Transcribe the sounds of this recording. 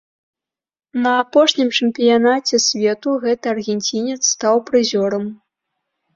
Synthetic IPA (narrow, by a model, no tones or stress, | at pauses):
nɐːpɔʂnʲimt͡ʂɨmpʲijanat͡sʲɛsʲvʲɛt̪uɣɛt̪ɨɐrɣʲɛnʲt͡sʲinʲɛt̪sːt̪awpɾɨzʲɔɾɐm